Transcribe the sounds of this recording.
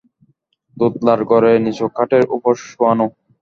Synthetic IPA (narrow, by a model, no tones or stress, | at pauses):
d̪ut̪̚laɾɡɔɾenit͡ɕokʰːaʈeɾṵpoʃoano